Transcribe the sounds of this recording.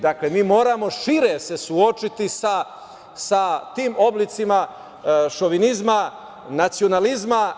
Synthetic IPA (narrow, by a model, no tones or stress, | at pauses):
d̪aklemiːmo̞ːɾamo̞ʃiɾese̞suo̞t͡ʃit̪isa | sat̪iːmo̞blit̪sima | ʃo̞ʋinizma | nat̪sio̞nalizma